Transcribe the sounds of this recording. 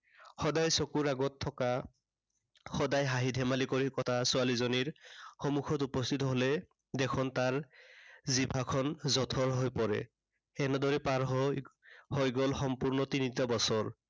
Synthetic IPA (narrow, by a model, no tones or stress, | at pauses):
xɔdajsokuɹaɡɔtʰːɔka | xɔdajɦaɦidʱɛmalikɔɹikɔtʰasualizɔniɹxɔmukʰɔtupɔst̪ʰitɔɦolɛ | dɛkʰɔntaɹ | zibʱakʰɔnzɔtʰɔɹɦojpɔɹɛ̰ | ɛnɔdɔɹɛpaɹɦ | hojɡɔlxɔmpuɹnɔtinitɔbɔsɔɹ